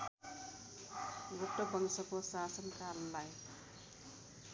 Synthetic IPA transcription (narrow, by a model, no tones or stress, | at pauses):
ɡoʈːobʌŋisʌkosasʌnkaɾʌnlaj